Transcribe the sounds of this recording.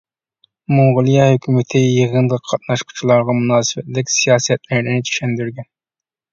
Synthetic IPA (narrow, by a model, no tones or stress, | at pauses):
moŋʁʊlˠijɑhøkʲʰymɪt̪ʰɪjəʁənd̪əqʰːɑt̪̚nɑʃqʰu̥t͡ʃʰilˠɑɾʁɑmunɑːsɨbɛt̪lɪkʲsijɑːsɛt̪̚læɾnɪnɪt͡ʃʰi̥ʃɛnd̪yɾɡʲɛn